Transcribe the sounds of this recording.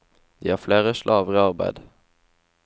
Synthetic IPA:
d̪ḭːhɑːʁfleːʁəʃlʔɑːʋəʁiːɑʁbæ̰ɪd̪

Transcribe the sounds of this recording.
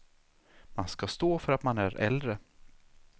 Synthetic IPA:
manskast̪oːfœɾat̪manæɾɛ̰ld̪ɾə

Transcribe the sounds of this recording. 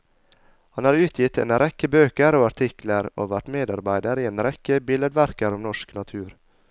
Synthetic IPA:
hɑnhæːɾʉːt̪ʰjɪt̪ḛːnɾɛkəbøːkəɾoːɑʈ̪ʰɪkləɾo̰ːʋæʈmeːd̪ɑɾbæɪd̪əɾiːeːnɾɛkəbɪləd̪ʋæɾkəɾɔmnɔʂknɑt̪ʰʉːɾ

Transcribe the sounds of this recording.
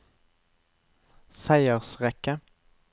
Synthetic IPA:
sæɪəʁsʁɛkə

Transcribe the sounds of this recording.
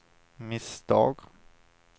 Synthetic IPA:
mɪsd̪̥ɑ̰ːɡ

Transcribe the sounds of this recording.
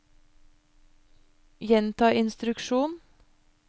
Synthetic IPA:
jɛnt̪ʰɑːʔɪnst̪ɾʉkʃuːn

